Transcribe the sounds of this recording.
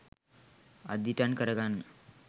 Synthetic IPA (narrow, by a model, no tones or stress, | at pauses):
a̰d̪iʈankəɾəɡanːə